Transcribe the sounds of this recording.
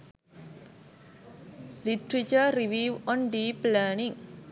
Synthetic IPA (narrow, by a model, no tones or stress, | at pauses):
litɾit͡ʃəɾiʋiwɔ̃nɖiplanĩŋ